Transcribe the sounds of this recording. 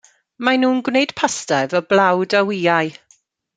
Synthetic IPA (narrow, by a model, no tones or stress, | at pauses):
manuːnɡwneɨd̥pʰastɛvəblawdawiːaj